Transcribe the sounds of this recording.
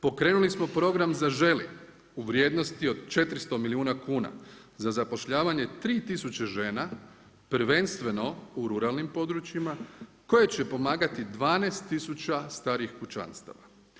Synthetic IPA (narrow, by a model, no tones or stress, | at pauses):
po̞kɾe̞ːnulismo̞pɾo̞ɡɾamzaʒe̞li | uʋɾje̞ːd̪no̞st̪io̞d̪t͡ʃe̞t̪ɾist̪o̞miliuːnakuːna̰ | zazapo̞ʃʎaːʋaɲe̞t̪ɾiːt̪isut͡ɕeʒe̞ːna | pɾʋe̞nst̪ʋe̞no̞uɾuɾalnimpo̞d̪ɾut͡ɕima | ko̞je̞t͡ɕe̞po̞maːɡat̪id̪ʋaːnest̪ːisut͡ɕast̪aːɾixkut͡ʃa̰nst̪a̰ʋa